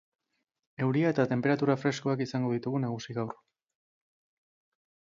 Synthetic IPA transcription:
e̞wɾiae̞t̪at̪e̞mpe̞ɾat̪uɾafɾe̞skoakisaŋɡo̞ð̞it̪uɣunaɣ̞usiɣawr

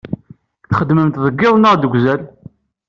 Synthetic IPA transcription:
θχəd̪məmt̪ðˤəɡːɪðˤnəʁd̪əɡʷzæl

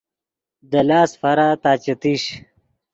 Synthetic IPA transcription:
d̪ɐlaːsfaɾat̪aːt͡ɕet̪iɕ

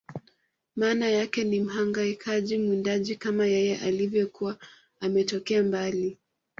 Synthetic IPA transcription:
maːnajakɛnim̩ɦaŋɡaikʰaʄimwindaʄikamajɛjɛʔalivjɔkuwa | amɛtɔkɛambali

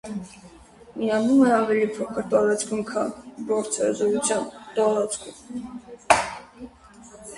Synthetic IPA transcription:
miɑnumɛɑvɛlipʰɔkʰəɾt̪ɑɾɑt͡skʰumkʰɑnbɔɾt͡sʰɛɾzɔɾut͡sʰjɑnt̪ɔɾɑt͡sʰkʰum

